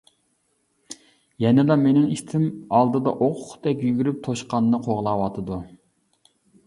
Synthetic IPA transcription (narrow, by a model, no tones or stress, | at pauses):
jɛnɪlˠɑmenɪŋiʃt̪ʰɪmɑlˠd̪ɨd̪ɑ̰ʔoqʰʊχd̪ɛkʲjyɡʲyɾyp̚t̪ʰoʃqɑnːɨqʰoʁlˠɑwɑt̪ʰɨd̪u